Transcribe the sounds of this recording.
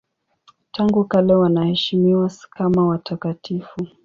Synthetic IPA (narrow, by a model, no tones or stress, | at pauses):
taŋɡukalɛwanahɛʃimiwaskamawatakatifu